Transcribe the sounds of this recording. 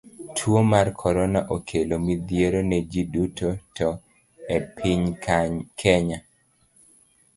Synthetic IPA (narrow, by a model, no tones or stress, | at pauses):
tʰwomarkʰɔɾɔnaʔokʰelomid̪jeɾoned͡ʒidutʰotɔ | epʰiɲ | kʰɛɲa